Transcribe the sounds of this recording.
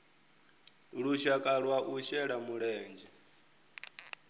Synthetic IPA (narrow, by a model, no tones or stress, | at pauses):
ɺuʃakʼaɺwaʔuʃɛɺamuɺɛːnd͡ʒɛ